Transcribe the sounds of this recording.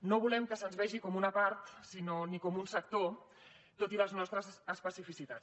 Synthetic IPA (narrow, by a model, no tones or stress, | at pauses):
noβulɛmkəsənzβɛʒikɔmunəpaɾt̪sinonikɔmunsək̚t̪o | t̪ot̪iləznɔst̪ɾəzəspəsifisit̪a